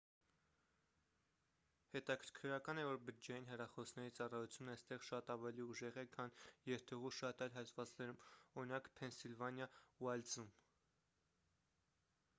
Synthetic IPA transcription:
hɛt̪ɑkʰəɾkʰɾɑkɑnɛvɔɾbəɾd͡ʒɑjinɦɛrɑχɔsnɛɾit͡sɑrɑjut͡sʰjunːɑjst̪ɛʁʃɑt̪ɑvɛliuʒɛʁɛkʰɑnjɛɾt̪ʰɛʁuʃɑt̪ɑjlɦɑt̪vɑt͡snɛɾumɔɾinɑkpʰɛnsilvɑnjɑuɑld͡zum

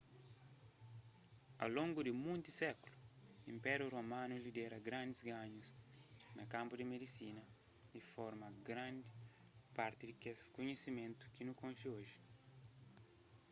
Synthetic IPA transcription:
a̰lõŋɡud̪ɪmũnt̪isɛkuluĩmpɛɾjuromãnulid̪ɛɾɐɡɾãnd̪izɡãɲuznɐkãmpud̪ɪmed̪isinɐ | ifɔɾmɐɡɾãnd̪i | paɾt̪id̪ikeskoɲesimẽnt̪u̥kinukõnʃioʒi̥

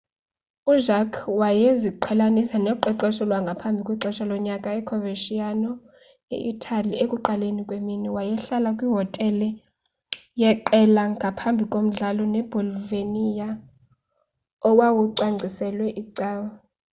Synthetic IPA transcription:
uʒakʰwajeziǃʰɛlanisanɛǃɛǃɛʃɔlwaŋɡʱapʰambʱikʼwiǀɛʃalɔɲakʼaɛkʰɔveʃianɔ | ḛʔitʰʼaliekʼuǃalenikʼweminiwajɛɬalakʼwiɦɔtʼɛlɛ | jɛǃɛlaŋɡʱapʰambʱikʼom̩ɮalɔnɛb̥ʱɔlvenija | ɔwawuǀwaŋ͡ǀʱisɛlwɛʔiǀɛːwɔ

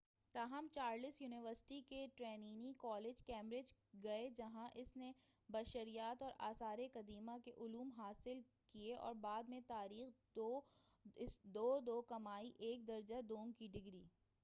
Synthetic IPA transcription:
t̪aːɦəmt͡ʃaːɾlɪsjuːnɪʋəɾsɪ̥ʈikeʈɾɛːniːnikɔːleːd͡ʒkɛːmɾeːd͡ʒɡɐed͡ʒɐɦãʔɪsnebɐʃəɾijaːt̪ɔːɾa̰ːsaːɾekɐd̪iːmakeʔʊluːmɦaːsɪl | kieʔɔ̰ːɾbaːd̪mẽt̪aːɾiːx | o | ɪsd̪oːd̪oːkɐmaːiʔeːk̚d̪ɐɾd͡ʒad̪oːŋkiɖɪɡɾiː

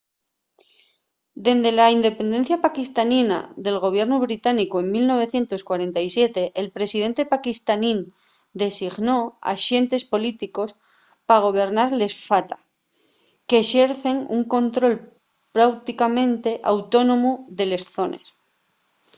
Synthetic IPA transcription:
d̪e̞nd̪e̞laind̪e̞pe̞nd̪e̞n̟θjapakist̪anina̰ðe̞lɣo̞β̞je̞ɾnuβ̞ɾit̪anikoe̞ŋmilno̞β̞e̞θje̞nt̪o̞skwaɾe̞nt̪ajsje̞t̪e̞ʔːlpɾe̞siðe̞nt̪e̞pakist̪anind̪e̞siɣno̞a̰ʃe̞nt̪e̞spo̞lit̪iko̞s | paɣ̞o̞β̞e̞ɾnaɾle̞sfat̪ḁ | keʃeɾθe̞ŋṵŋko̞nt̪ɾo̞l | pɾawt̪ikamẽ̞nt̪e̞ʔawt̪o̞no̞muðe̞le̞sθo̞ne̞̰s

